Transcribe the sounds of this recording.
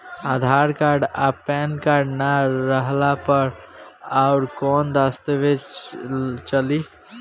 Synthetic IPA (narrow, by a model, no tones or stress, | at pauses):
ad̪ʱaɾkaɾɖapɛnkaɾɖnaɾəɦlapəɾaʊɾkɔnd̪ast̪ebe | t͡ʃəli